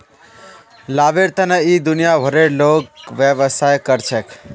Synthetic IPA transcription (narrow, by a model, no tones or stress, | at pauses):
labeɾt̪ənəid̪ʊnijabʱəɾeɾlokʋjəʋəsajkəɾt͡ʃʰɛk